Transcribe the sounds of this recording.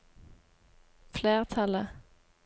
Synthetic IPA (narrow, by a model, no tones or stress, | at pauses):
fleːʁt̪ʰɑlə